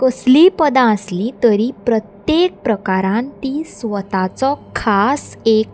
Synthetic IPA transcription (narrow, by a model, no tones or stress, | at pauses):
kəslipəd̪ãəslĩt̪əɾipɾət̪jek̚pɾəkaɾãnt̪isʋət̪at͡sɔkʰasek̚